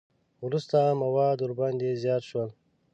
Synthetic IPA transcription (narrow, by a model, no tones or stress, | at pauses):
ɾust̪amɐwɑːd̪uɾband̪ezjɑːt̪ʃwəl